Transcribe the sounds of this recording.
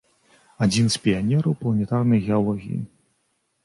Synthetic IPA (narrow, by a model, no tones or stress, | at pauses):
ad͡zʲinspʲianʲɛɾɐwplˠɐnʲɛt̪arnɐjɣʲɛalˠɔɣʲḭjḭ